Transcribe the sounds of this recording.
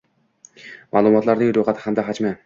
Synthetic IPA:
mʔalˠʊmɒt̪laɾnɪŋɾojχat̪ʰɪ̥hamd̪aɦad͡ʒmɪ

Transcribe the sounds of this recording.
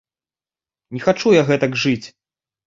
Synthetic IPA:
nʲɛxat͡ʂujaɣɛt̪ɐɡʐɨt͡sʲ

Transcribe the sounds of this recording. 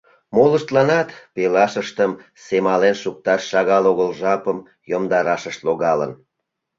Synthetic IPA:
moləʃt̪lɑnɑt̪pelɑʃəʃt̪əm | semɑlenʃuk̚t̪ɑʃːɑɣɑloɣəlʒɑpəm | jomd̪ɑɾɑʃəʃt̪loɣɑlə̰n

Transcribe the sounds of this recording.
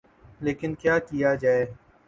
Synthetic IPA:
leːkɪnkjaːkijaːd͡ʒaːeː

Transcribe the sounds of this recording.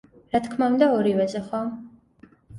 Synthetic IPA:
ɾat̪kʰmaund̪aɔɾivɛzɛχwa

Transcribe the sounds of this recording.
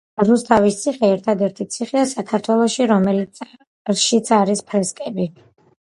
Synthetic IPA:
zust̪ʰavist̪sʰiχɛɛɾt̪ʰad̪ɛɾt̪ʰit̪sʰiχɛasakʰaɾt̪ʰwɛlˠɔʃiɾɔmɛli | ʃit̪sʰaɾispʰɾɛskʼɛbi

